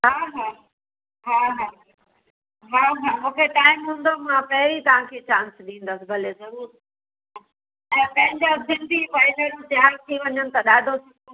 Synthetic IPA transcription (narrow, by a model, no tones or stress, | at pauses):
ɦaːɦaː | ɦaːɦaː | ɦaːɦaːmũːkʰeʈaːɪmɦũːn̆d̪omãpɐɦɪɾit̪ɐʋ̤ãkʰet͡ɕãːnsɗĩːn̆d̪əsɪbʱɐlezɐɾuːɾ | ɦɦɦã | ɛ̃ːpɐ̃ɦɪ̃ɲd͡ʑazɪ̃nd̪ʱipaɪneɾõt̪ɪɦaːɾt̪ʰiʋɐɲənɪ̆t̪ɐɗaːd̪ʱosʰɪõ